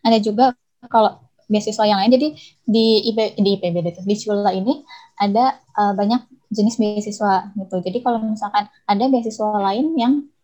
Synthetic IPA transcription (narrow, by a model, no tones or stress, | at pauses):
adad͡ʒuɡa | kalo | biasiswajaŋlaɪnd͡ʒadi | diediːpebedet̪ʊdit͡ʃulainiʔadaʔəbaɲak̚d͡ʒənɪsbiasiswaɡit̪ud͡ʒadikalomisalkan | adabiasiswalaɪnjaŋ